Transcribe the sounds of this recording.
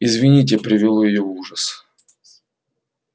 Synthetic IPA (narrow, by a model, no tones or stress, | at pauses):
ɪzvʲɪnʲit̬ʲɪpɾʲɪvʲɪlˠojɪjovuʐəs